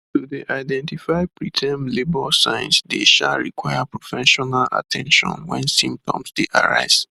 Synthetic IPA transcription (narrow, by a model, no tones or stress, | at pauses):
tudeʔaɪdɛ̃ntifaɪpɹitʰɛ̃mlebɔsãɪ̃nsdeʃaɹḭkwajapɹofɛʃɔnala̰tʰɛ̃nʃɔ̰̃nwɛ̰̃nsĩmp̚tɔ̰̃msd̥eʔa̰ɹa̰ɪz̥